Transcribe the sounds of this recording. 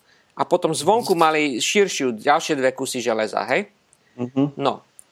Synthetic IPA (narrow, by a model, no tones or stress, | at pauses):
ʔapɔt̪ɔmzʋɔŋkumaliʃiɾʃɪjuɟalʃɪɛd̪ʋɛkusiʒɛlɛza̰ːɦɛj | nɔ